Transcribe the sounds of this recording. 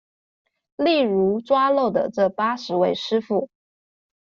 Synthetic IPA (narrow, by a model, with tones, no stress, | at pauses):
li˥˩ɻu˧˥ʈ͡ʂwa˥lo˥˩ʊd̪ə̰˨ʈ͡ʂɤ˥˩pa˥ʂɻ̩˧˥we˥˩ɪʂɻ̩˥fu˥˩